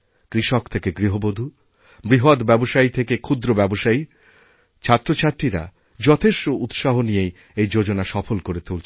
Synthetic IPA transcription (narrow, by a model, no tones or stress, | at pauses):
kɾiʃokt̪ʰekeɡɾiɦobod̪ʱu | bɾiɦod̪bɛboʃait̪ʰekekʰud̪ɾobɛboʃai | t͡ɕʰat̪ːɾot͡ɕʰat̪ɾiɾa̰ | d͡ʑɔt̪ʰeʃʈout̪ʃaɦonijej | ejd͡ʑod͡ʑonaʃɔfolkoɾet̪ult͡ɕʰ